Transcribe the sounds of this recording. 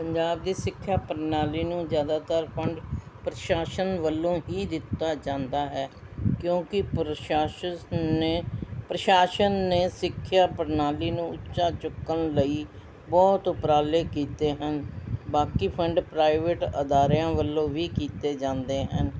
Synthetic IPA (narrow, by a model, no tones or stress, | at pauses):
pəɲd͡ʒaːb̚d̪iːsɪkʰːjaːpəɾnaːliːnũːzjaːd̪aːt̪əɾpʰəɳɖpɾəʃaːʃənʋəlːõːɦiːd̪ɪt̪ːaːd͡ʒãːnd̪aːɦɛː | kjõːkɪpɾaːʃəepɾəʃaːʃənːeːsɪkʰːjaːpəɾnaːliːnũːʊtːʃaːt͡ʃʊkːənləiː | bɔːt̪ʊpɾaːleːkiːt̪eːɦənbaːkiːpʰəɳɖpɾaːɪʋeʈəd̪aːɾjãːʋəlːõːʋiːkiːt̪eːd͡ʒãːnd̪eːɦə̰n